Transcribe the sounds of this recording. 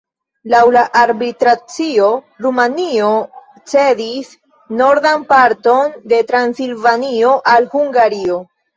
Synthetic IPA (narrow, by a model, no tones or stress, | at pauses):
lawlaʔaɾbitɾat͡sio̞ | ɾumanio | t͡se̞dis | no̞ɾdanpaɾto̞nde̞tɾansilvanio̞ʔalhuŋɡaɾio̞